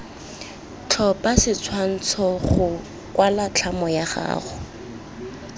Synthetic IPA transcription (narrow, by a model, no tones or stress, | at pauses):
t͡ɬʰɔpasɪt͡sʰwan̩t͡sʰɔχʊ | kwalat͡ɬʰamɔjaχa̰ːχʊ